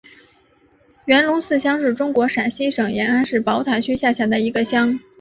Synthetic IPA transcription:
ɥɛ˧˥nlʊ˧˥ŋsɹ̩˥˩ɕjɑ˥ŋʂɻ̩˥˩ʈ͡ʂʊ˥ŋkwɔ˧˥ʂa˨˩nɕi˥ʂɤ˨˩ŋjɛ˧˥na˥nʂɻ̩˥˩pɑ˧˥ʊt̪ʰwa˧˥nt͡ɕʰy˥ɕja˥˩t͡ɕʰja˧˥d̪ə˧i˧˥ɡə˧ɕjɑ˥ŋ

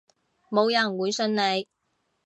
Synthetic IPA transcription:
mo˨˧wjɐ˨˩nwuː˨˧jsɵ˧nne˨˧j

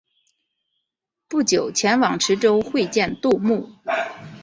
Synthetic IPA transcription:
pu˥˩t͡ɕjo˨˩ʊt͡ɕʰjɛ˧˥nwɑ˨˩ŋʈ͡ʂʰɻ̩˧˥ʈ͡ʂo˥ʊxwe˥˧ɪt͡ɕjɛ˥˧nt̪u˥˧mu˥˩

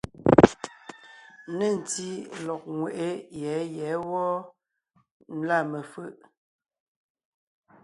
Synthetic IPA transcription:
nə˦˨n˨ti˦lɔ˨k̚ŋwe˨ʔe˦jɛ˨˦jɛ˨˦wɔ˦ | n̩˦la˦˨mə˨fə˦ʔ

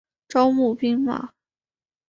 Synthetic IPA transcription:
ʈ͡ʂɑ˥ʊmu˥˩pi˥ŋma̰˨˩˦

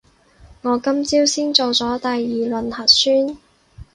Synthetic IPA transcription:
ŋɔː˨˧kɐ˥mt͡siː˥wsiː˥nt͡so˨˧wt͡sɔː˨˥t̪aː˨jːiː˨lɵ˨nhɐ˨˩t̚syː˥n

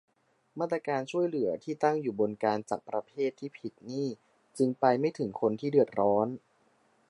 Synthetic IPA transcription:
maː˥˩t̪ːɾa˧kaː˧nt͡ɕʰu˥˩əjlɯ˩˦ɐt̪ʰiː˥˩t̪a˥˩ŋjuː˨˩bo˧nkaː˧nt͡ɕa̰˨˩k̚pɾa˧pʰeː˥˩t̪ʰːiː˥˩pʰi˨˩t̪̚niː˥˩ | t͡ɕɯ˧ŋpa˧jma˥˩jt̪ʰɯ˩˦ŋkʰo˧nt̪ʰiː˥˩dɯ˨˩ət̪̚ɾɔː˦˥n

